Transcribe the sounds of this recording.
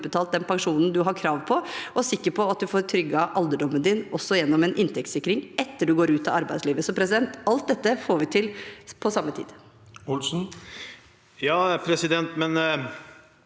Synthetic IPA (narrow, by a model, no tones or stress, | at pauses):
bət̪ʰɑːlt̪̚d̪ɛnpɑŋʂuːnn̩d̪ʉɦɑɾkʰɾɑːʋpʰɔɔsɪkːəɾpʰɔɑt̪̚d̪ʉfoːɾt̪ʰɾʏɡːɑʔɑld̪əɖɔmːənd̪ɪnʔɔsːɔjɛnːɔmɛnʔɪnt̪ʰɛkt̪sɪkːɾɪŋɛt̪ːəɖʉɡoːɾʉːt̪ɑɑɾbæɪd̪sliːʋəsɔmpʰɾɛsɪd̪ɛnt̪ɑlt̪̚d̪ɛt̪ːəfoːɾʋɪt̪ʰɪlpʰɔsɑmːət̪ʰḭːd̪̥ | ʊlsn̩ | jɑːpʰɾɛsɪd̪ɛnt̪mɛn